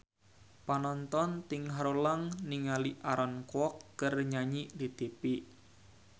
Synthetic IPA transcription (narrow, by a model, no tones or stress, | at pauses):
panɔnt̪ɔnt̪ɪŋɦaɾolaŋniŋaliʔaɾɔnkwɔkːərɲaɲiʔlit̪epiʔ